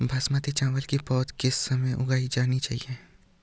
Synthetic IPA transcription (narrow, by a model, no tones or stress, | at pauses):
bʱasmaːt̪it͡ʃãːʋəlkipɔːt̪kɪsːɐməjʔʊɡaːid͡ʒaːnit͡ʃa̰ːɦḭeː